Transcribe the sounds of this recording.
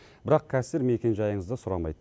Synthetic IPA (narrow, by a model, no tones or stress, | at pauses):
bɪɾɑq̚kʲʰæsɪɾme̞kʲe̞nʒɑjəɴəzd̪əsʊɾɑ̰mɑ̰jd̪ə